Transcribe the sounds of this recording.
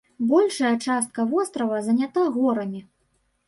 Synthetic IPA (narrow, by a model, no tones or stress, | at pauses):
bɔlʲʂɐjɐt͡ʂast̪̚kɐvɔst̪ɾɐvɐzɐnʲat̪aɣɔɾɐmʲi